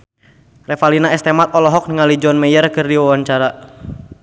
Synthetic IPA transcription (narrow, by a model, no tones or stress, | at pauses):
rɛfalinaɛst̪ɛmat̪̚ɔlɔɦɔk̚niŋalid͡ʒɔnmɛjərkɨrdiwawaɲt͡ʃaɾa